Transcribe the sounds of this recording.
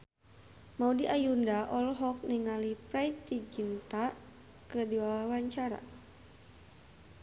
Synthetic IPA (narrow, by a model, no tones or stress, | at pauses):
maudiʔajundaʔɔlɦɔk̚niŋalipɾait̪id͡ʒint̪a | kədiwawawaɲt͡ʃaɾa̰